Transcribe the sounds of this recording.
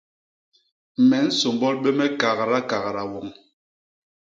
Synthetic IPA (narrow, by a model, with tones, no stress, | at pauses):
mɛ˨˦n̩˦so˨mbɔ˦lɓɛ˦mɛ˦ka˨ɣɾa˦ka˨ɣɾa˨wɔ˨ŋ